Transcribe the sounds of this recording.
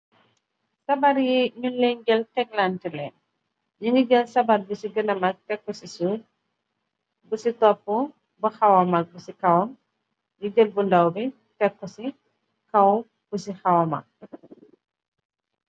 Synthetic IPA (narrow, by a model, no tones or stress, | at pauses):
sɐbaɾjiɲunlːɛɲɡəltɛk̚lantilɛn | ɲuŋɡiɡəlsɐbarbusiɡənɐmak̚tɛkːɔsisu | busitɔpːu | bɐxɐwɐmak̚busikɐwɔm | ɲiɡəlbundɐwbi | tɛkːɔsi | kɐw | b̥usixɐwɐma̰k̚